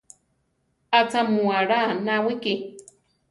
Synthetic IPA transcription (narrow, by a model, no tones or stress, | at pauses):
at͡samuaɾanawiki